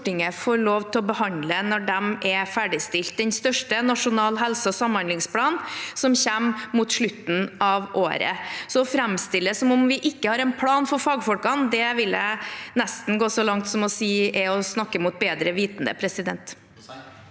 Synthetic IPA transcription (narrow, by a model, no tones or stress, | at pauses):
ʈːɪŋəfoːɾɭoːʋt̪ʰɪɔbəhɑnd̪lənɔɖɛmʔɛfæɖɪst̪ɪlt̪̚d̪ɛnst̪œʂʈənɑʂʊnɑːlɦɛlsəɔsɑmhɑnd̪ɪŋspʰlɑːnsɔmçæmmuːt̪ʂɭʉt̪ːn̩ɑʋo̰ːɾə̰sɔɔfɾɛmst̪ɪlːəsɔmɔmʋɪʔɪkːəhɑːɾɛnpʰlɑːnfɔɾfɑːɡfɔlkɑnd̪ɛʋɪlænɛst̪n̩ɡoːsɔlɑŋt̪sɔmɔsiːʔɛɔsnɑkːəmuːt̪̚beːd̪ɾəʋiːt̪nd̪ə̰pʰɾɛsɪd̪ɛ̰nt̪